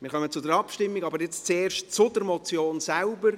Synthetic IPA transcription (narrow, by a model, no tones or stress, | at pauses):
mɪːɾχœmət͡sʊdəɾɑpʃtɪmːiɡɑbəɾjɛt͡st͡seːrʃtt͡sʊdəɾmɔt͡sjoːnsɛlbəɾ